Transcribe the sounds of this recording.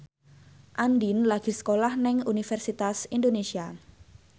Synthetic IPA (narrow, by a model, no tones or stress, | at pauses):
ʔandinlaɡ̥i̤sə̥kolahnɛŋunifɛrsit̪asindonesia